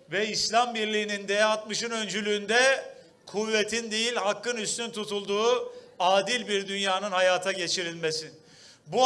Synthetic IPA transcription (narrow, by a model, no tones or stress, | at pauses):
vɛislʲambiɾlʲiːnind̪eat̪mɯʃɯnø̞nd͡ʒylʲyːnd̪ɛ | kʰuvːet̪ʰind̪ejilʲhakːɯnyst̪ynt̪ʰut̪ʰulˠd̪uːaːd̪ilʲbiɾd̪ynjaːnɯnhajaːt̪ʰaɟe̞t͡ʃʰiɾilʲmesin | bu